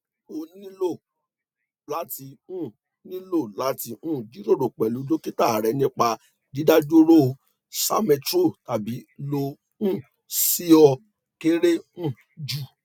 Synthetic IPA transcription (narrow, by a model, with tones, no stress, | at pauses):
o˧˨˦ĩ˦lo˦˨ | la˨˦ti˧ũ˦˨ | nĩ˦lo˦˨la˨˦ti˧ũ˦˨d͡ʒi˨˦ɾo˦˨ɾo˨k͡pɛ˨lu˨˦do˦ki˦ta˦˨ɾɛ˨˧nĩ˦k͡pa˧ | di˨˦da˦d͡ʒo˦ɾo˦˧ | sa̰˦mẽ˧tɾo˦˨ta˨bi˨˦lo˧ | ũ˦˨ | si˦ɔ˧ | ke˦ɾe˦ũ˦˨ | d͡ʒu˨